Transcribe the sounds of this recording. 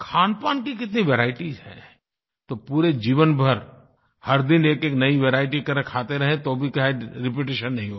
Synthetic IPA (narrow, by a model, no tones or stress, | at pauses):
kʰaːnpaːnkikɪt̪niʋeɾaːɪʈizɦɛ̰ː | t̪opuːɾed͡ʒiːʋənbʱɐɾ | hɐɾd̪ɪneːkeːknɐiʋeːɾaːɪʈikɐɾkʰaːt̪eɾɐɦẽt̪oːbʱikɐɦeɾɪp̬eʈeːʃənːɐɦĩɦo